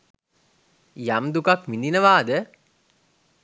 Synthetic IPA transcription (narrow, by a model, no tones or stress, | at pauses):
jamd̪ukakmind̪inəʋaːd̪ə